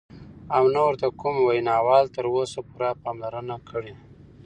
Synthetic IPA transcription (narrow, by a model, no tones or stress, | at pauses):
awnawəɾt̪akumwajnɑwɑlt̪əɾosapuɾapɑmlaɾənakʰəɽi